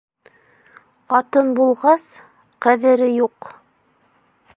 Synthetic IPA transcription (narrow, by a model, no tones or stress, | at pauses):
qɑt̪ɤnbulˠʁɑs | qæðɘ̆ɾɘjuq